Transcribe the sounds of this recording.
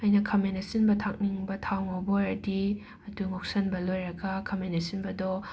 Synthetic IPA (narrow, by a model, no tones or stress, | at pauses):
ɐjnɐkʰɐmenɐsinbɐtʰak̚niŋbɐtʰawŋoboɾɐdi | ɐduŋok̚sɐnbɐlojɾɐɡɐkʰɐmenɐsinbɐdɔ